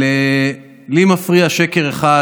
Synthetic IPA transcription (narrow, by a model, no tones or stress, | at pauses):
e | limafʁiaʃeke̞ʁeχa